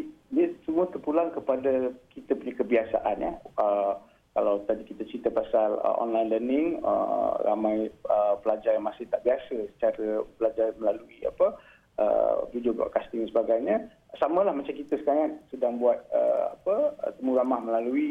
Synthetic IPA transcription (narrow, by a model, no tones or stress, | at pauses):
diəsəmuət̪ərpulaŋkəpadakit̪əpuɲakəbiasa̰ʔanja̰ə | kalawt̪adikit̪at͡ʃɾit̪əpasalə̰ʔɔ̰nlajnlənɪŋə̰ra̰majəpəlad͡ʒaramasɪht̪aʔbiasəsə̥t͡ʃaɾəpəlad͡ʒarməlaluia̰pə | ʔə̰vidioɡɔ̰ʔkast̪ɪŋdansəbaɡajɲə | samə̃lahmat͡ʃamkit̪əsə̥kaŋat̚sədaŋbuat̪̚ə̰a̰pə̰t̪əmuɾamahməlalui